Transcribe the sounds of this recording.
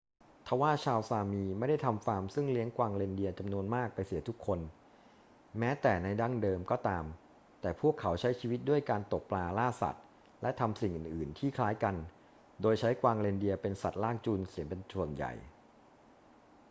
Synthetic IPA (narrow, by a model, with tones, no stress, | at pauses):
t̪ʰa˧˥waː˥˩t͡ɕʰaː˧wsaː˧miː˧ma˥˩jda˥˩jt̪ʰa˧mfaː˧msɯ˥˩ŋli˦˥əŋkwaː˧ŋleː˧ndi˧ɐt͡ɕa˧mnu˧ənmaː˥˩k̚pa˧jsi˨˩˦t̪ʰu˦˥kʰːo˧n | mɛː˦˥t̪ɛː˨˩na˧jda˥˩ŋdɤː˧mkɔː˥˩t̪aː˧m | t̪ɛː˨˩pʰu˥˩əkʰːa˩˦wt͡ɕʰa˦˥jt͡ɕʰiː˧wt̪̚du˥˩əjkaː˧nt̪o˨˩k̚plaː˧laː˥˩sa̰˨˩t̪̚ | lɛ˦˥t̪ʰa˧msi˨˩ŋʔɯː˨˩nʔɯː˨˩nt̪ʰiː˥˩kʰlaː˦˥jka˧n | doː˧jt͡ɕʰa˦˥jkwaː˧ŋleː˧ndi˧ɐpe˧nsa˨˩t̪̚laː˥˩ŋt͡ɕu˧nsi˨˩˦np̬e˧nsu˨˩ənja̰˨˩j